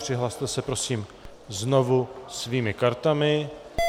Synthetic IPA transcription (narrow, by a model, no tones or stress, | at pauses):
pr̥ɪɦlast̪ɛsɛpɾo̞siːm | zno̞vusviːmɪkaɾt̪amɪ